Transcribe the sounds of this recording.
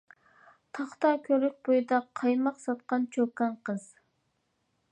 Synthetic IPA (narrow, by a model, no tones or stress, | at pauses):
t̪ʰɑχt̪ɑkʲʰøɾyk̚ʲbojɨd̪ɑqʰɑjmɑqsɑt̪̚qɑnt͡ʃʰøkɑnqəz̥